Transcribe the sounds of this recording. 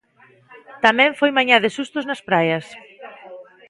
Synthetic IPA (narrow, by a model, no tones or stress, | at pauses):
t̪amɛ̃ɱfojmaɲaðɪsust̪ʊznɐspɾajɐs